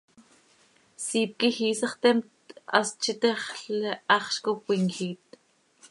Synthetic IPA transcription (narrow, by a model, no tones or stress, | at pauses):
siːp̚kixiːsaχt̪emt̪a̰st͡ʃit̪eχɬɑχʃkopwiŋxiːt̪̚